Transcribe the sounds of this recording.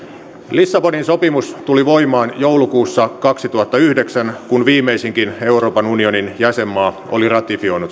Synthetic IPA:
lisːɑponinso̞pimust̪uliʋo̞imɑːnjowlukuːsːɑkɑksit̪uɦɑt̪ːɑyhdeksænkunʋiːmːˑeisiŋkine̞uro̞ːpɑnunio̞ninjæse̞mːɑː | o̰lirɑt̪ifio̞inut̪

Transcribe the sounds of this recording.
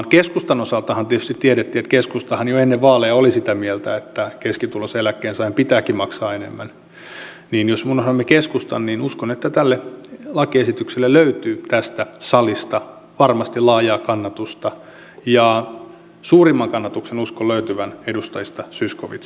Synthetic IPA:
nkeskust̪ɑnosɑlt̪ɑhɑnt̪iet̪yst̪it̪ːieɾet̪ːiːet̪keskust̪ɑhɑnjoenːeʋʋɑːleɑolisit̪æmielt̪æet̪ːækeskit̪uloselækːeːnsɑimpit̪æːkimɑksɑːenḛmːæn | niːnjosmunosɑemːekeskust̪ɑnninuskonet̪ːæt̪ælːelɑkiesit̪ykselːelløyt̪yːt̪æst̪æsɑlist̪ɑ | ʋɑrmɑst̪ilɑːjɑːkɑnːɑt̪ust̪ɑ | jɑ | suːrimːɑŋkɑnːɑt̪uksenuskoløyt̪yʋænedust̪ɑjist̪ɑsyskoʋḭt̪s

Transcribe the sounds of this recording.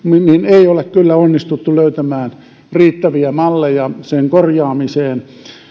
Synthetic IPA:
minineiolekkylːæonːist̪ut̪ːuløyt̪æmæːn | riːt̪ːæʋiæmɑlːejɑseŋkorjɑːmiseːn

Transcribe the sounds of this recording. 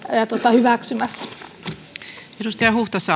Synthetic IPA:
jɑt̪uot̪ɑhyʋæksymæsːæ̥ | edust̪ɑjɑhuht̪ɑsːɑ

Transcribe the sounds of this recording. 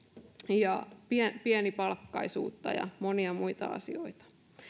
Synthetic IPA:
jɑpiɛpiɛnipɑlkːɑisṵːt̪ːɑjɑ̰moniɑmuit̪ɑ̰ɑ̰sioit̪ɑ̥

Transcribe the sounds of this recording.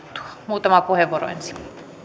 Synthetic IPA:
t̪ːu̥ɑmuːt̪ɑmɑpuheʋuoro̰ḛnsi̥m

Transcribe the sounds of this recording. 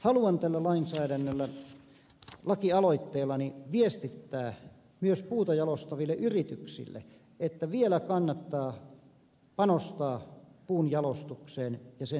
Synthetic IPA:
hɑluɑnt̪ælːælɑinsæːɾænːølːæ | lɑkiɑloit̪ːeːlːˑɑniʋiest̪it̪ːæː | myøspuːt̪ɑjɑlost̪ɑʋilːeʔyrit̪yksḭlːḛ | et̪ːæʋielækɑnːɑt̪ːɑː | pɑnost̪ɑːpuːnjɑlost̪ukseːnjɑse

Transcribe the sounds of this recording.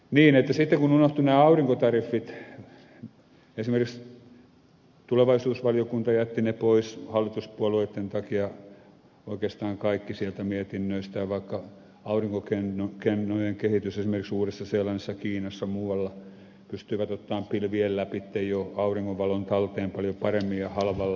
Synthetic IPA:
niːnet̪ːæsit̪ːeŋkununoht̪unæːɑuriŋkot̪ɑrifːit̪ | esimerkiks | t̪uleʋɑisuːsʋɑliokunt̪ɑjæt̪ːinepoishɑlːit̪uspuɑlueˑt̪ːent̪ɑkiɑ | oikeːst̪ɑːŋkɑikːisielt̪æmiet̪inːøist̪æʋɑikːɑ | ɑuriŋkokenkenːojeŋkehit̪ysesimerkiksuːresːɑselːɑnesːɑkiːnɑsːɑmuːɑlːɑ | pyst̪yiʋæt̪ot̪ːɑːmpilʋiellæpit̪ːejjoɑuriŋːoʋɑlont̪ɑlt̪eːmpɑljopɑremːiɑhɑlʋɑlːɑ

